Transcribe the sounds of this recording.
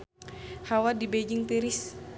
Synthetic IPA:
hawadibed͡ʒiŋt̪iɾis

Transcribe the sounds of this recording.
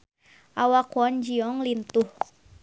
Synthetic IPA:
ʔawakuɔnd͡ʒiɔŋlint̪uh

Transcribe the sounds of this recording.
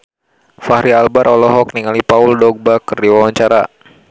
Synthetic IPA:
fahɾialbaɾʔɔlɔɦɔkniŋalipauldɔɡ̚bakərdiwawaɲt͡ʃaɾa

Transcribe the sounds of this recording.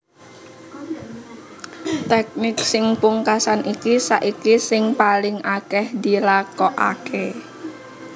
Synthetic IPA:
t̪ɛk̚nɪksɪŋpuŋkasanikisaʔikisɪŋpalɪŋakɛhd̪i̤lakɔʔa̰kʰe

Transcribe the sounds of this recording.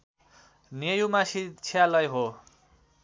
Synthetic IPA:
nejumasit͡sʰijalʌjɦo

